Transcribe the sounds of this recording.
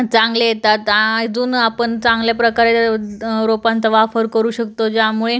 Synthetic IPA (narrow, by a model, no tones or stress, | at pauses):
t͡sãŋɡlejet̪at̪ad͡zuːnapəɳt͡sãŋɡljapɾəkaɾe | ɾopãnt̪əʋafəɾkəɾuːɕək̚t̪od͡ʑjamuɭe